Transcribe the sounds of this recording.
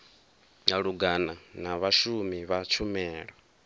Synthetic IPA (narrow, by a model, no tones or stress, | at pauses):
ŋaɺuɡananaβaʃumiβat͡ʃʰumɛːɺɔ